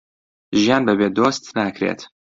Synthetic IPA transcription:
ʒijaːnbəbeːd̪oːst̪nakɾḛt̪

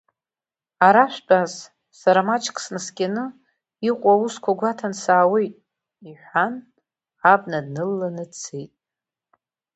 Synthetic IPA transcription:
aɾaʃʷᶣbaz | saɾamat͡ʃʰkʰʼsnɨskʲʼanɨ | iqʷʼauskʷʰaɡʷatʰansaːwejtʼ | iħʷan | abnad̚nɨlːanɨt͡sʰejtʼ

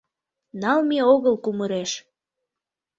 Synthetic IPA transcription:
nɑlmeoɣəlkuməɾeʃ

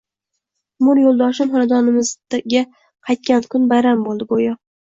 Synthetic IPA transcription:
mʊɾjolˠd̪ɒʃɪmɦɒnad̪ɒnɪmɪzʲa | qʰɑjt̪̚kʲankʰʊnbajɾambolˠd̪ɪɡojɒ

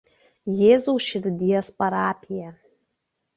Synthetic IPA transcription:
jeːzuːʃʲɪɾʲd̪ʲijɛspɐɾaːpʲʰɪjɛ

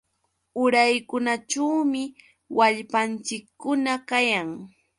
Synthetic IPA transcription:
ʊɾajkʊnaʈ͡ʂawmɪ | waʎpant͡ʃɪkːʊnakajaŋ

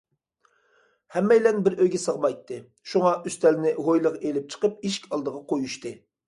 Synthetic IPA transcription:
hɛmːɛjlɛnbɪɾøjɡʲɛsəʁmɑjt̪ʰːɨ | ʃuŋɑʔyst̪ɛlɪnɪɦojlˠəʁelɪp̚t͡ʃʰə̥qəp̚iʃkʲɑlˠd̪əʁɑqʰojuʃt̪ɨ

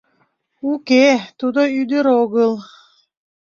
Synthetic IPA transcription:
uket̪ud̪oyd̪yɾoɡɯlˠ

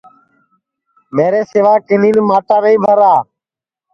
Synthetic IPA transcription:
meːɾeːseːʋaːkɪniːnmaːʈaːnəĩːbʱəɾaː

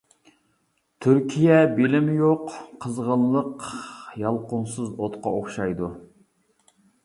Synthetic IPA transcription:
t̪ʰyɾkʲʰijɛbelɪmɪjoqʰːəzʁəllˠəqjɑlˠqʊnsɨzot̪qʰɑoχʃɑjd̪u

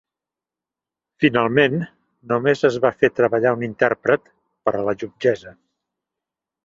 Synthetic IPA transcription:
finalˠmenː | umezəzβafet̪ɾəβəʎaunint̪ɛɾpɾət̪ | pəɾələʒubd͡ʒɛzə

